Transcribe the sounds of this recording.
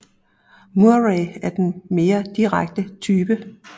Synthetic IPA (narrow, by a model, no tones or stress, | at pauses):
muɐʁeæɐd̥enme̝ːɐd̥iʁaɡ̥̚d̥ət͡sʰyːb̥ə